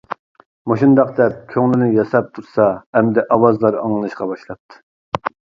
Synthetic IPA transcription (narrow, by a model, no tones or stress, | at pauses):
moʃund̪ɑqd̪ɛp̚kʲʰøŋlɪnɪjɑsɑp̚t̪ʰuɾsɑɛmd̪ɛʔɑwɑzlˠɑɾɑŋlˠɨnˠɨʃqɑbɑʃlˠɑp̚t̪ʰɨ̥